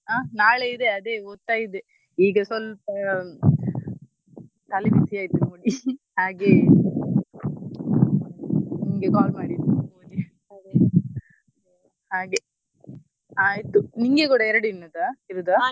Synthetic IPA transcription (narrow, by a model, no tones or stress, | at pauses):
aːnaːɭeid̪eɐd̪e̞ːot̪ːaːjid̪e | iːɡɐsɔlpɐ | t̪ɐliʋit̪ʰiaːjt̪umoːɽi | haːɡeː | niŋɡekaːlmaːɽid̪umoɽi | ad̪e | haːɡe | aːjit̪ːuniŋɡekuːɽɐɛɾɐɽuinːɐd̪aiɾud̪a